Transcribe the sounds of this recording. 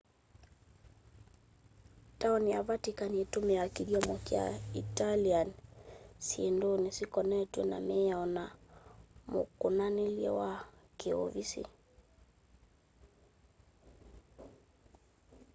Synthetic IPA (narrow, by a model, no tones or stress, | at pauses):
taɔniavatikaniɛtumɛjakiɡiɔmɔkja̰italian | siɛndonisikɔnɛtwɛna̰mɛaɔna | mṵkunaniliɛ̰wakeɔ̰visḭ